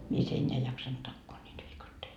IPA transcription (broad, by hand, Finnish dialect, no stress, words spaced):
mies enʲːeæ ei jɑksɑnt tɑkːoː nʲiːt ʋiːkɑtːei